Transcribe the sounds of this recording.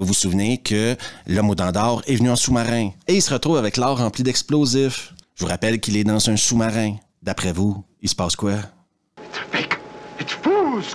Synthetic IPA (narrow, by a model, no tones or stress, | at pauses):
vuvusuvneʁkʰəlɔmod̪ɑ̃ːd̪ɑːʁɛvnyɛ̃sumaʁɛ̃eilsəʁət̪ʁuːvavɛklɑːʁːɑ̃plid̪ɛksplozɪfʒəvuʁapɛlkʲilɛd̪ɑ̃zœ̃sumaʁɛ̃ | d̪apʁɛvuisə̥pɑːskwa | ɪtə̥bɪkɪt̪puz